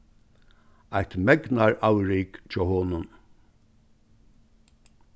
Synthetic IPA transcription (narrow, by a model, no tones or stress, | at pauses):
ajht̪mɛknaɹawɹɪkt͡ʃʰɔːhoːnʊn